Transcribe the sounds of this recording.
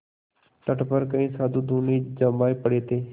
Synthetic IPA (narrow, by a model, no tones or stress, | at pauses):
ʈəʈpəɾkəĩːsaːd̪ʱuːd̪uːniːd͡ʒəmaːepəɽeːt̪eː